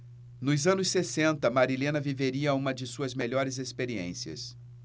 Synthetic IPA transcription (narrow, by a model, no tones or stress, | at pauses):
nʊzɐ̃nʊsːesẽnt̪ɐmaɾilẽnɐviveɾiɐũmɐd͡ʒɪsuɐzmeʎɔɾɪzespeɾiḛ̃siɐ̰s